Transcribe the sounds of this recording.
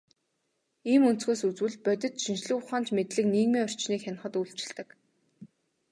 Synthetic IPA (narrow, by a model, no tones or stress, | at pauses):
iːmɵnsɡeːsut͡swɘ̆ɮpœt̪ʲɘ̆t̪ʃinʃɮʊːʊχaːnt͡ɕmet̪ɮɘ̆kniːɣmiːŋɔr̥t͡ɕniːkxʲan̆χə̆t̪uɮt͡ɕɪ̆ɮt̪ɘ̆k